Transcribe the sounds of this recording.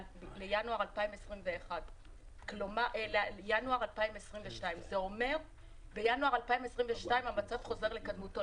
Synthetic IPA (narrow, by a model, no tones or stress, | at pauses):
lejanuaʁalpaimesʁimve̞ːχad | klomaʔeljanuaʁalpaimesʁimveʃtaimzeo̞me̞ʁ | be̞januaʁalpaimesʁimveʃtaimamat͡safχo̞ze̞ʁle̞kadmuto